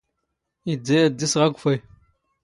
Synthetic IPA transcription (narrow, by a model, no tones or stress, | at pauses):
id͡zajadisʁaɡʷufaj